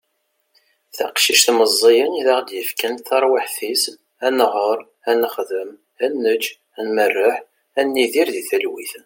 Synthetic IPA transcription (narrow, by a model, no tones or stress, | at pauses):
θæ̰qʃiʃθməzˤːijəniðaʁd̪jəfkænθɑɾˤwiħθis | ænʁəɾˤ | ænəχðəm | ænːəd͡ʒ | ænmərːəħ | ænːiðiɾðiθælwḭθ